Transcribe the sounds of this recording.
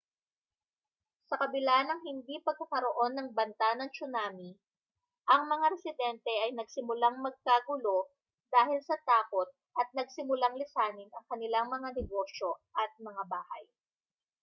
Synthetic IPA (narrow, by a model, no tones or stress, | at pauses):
sɐkɐbɪlanɐŋɦɪnd̪ipɐɡ̚kɐkɐɾoʔo̞nːɐŋbɐnt̪anɐŋt͡ʃʊnaːmi | ʔɐŋmɐŋaɾɛsɪd̪ɛnt̪ɛʔɐjnɐɡsɪmʊlaŋmɐɡ̚kaɡʊlo̞ | d̪̥aːhɪlsɐt̪aːko̞t̪̚ | ʔɐt̪̚nɐɡ̚sɪmʊlaŋlɪsaːnɪnɐŋkɐnɪlaŋmɐŋanɛɡo̞ʃo̞ʔɐt̪̚mɐŋabaːhɐ̰j